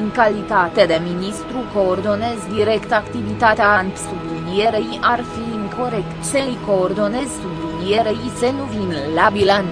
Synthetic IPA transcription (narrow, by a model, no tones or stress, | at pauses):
ɨŋkalit̪at̪e̞d̪e̞minist̪ɾuko̞ːrd̪o̞ne̞zd̪iɾe̞kt̪akt̪ivit̪at̪eant̪sublinijeɾejarfiɨŋko̞ɾe̞kt̪seɨjkoːrd̪o̞ne̞zsublinijeɾejsenuvinlabilan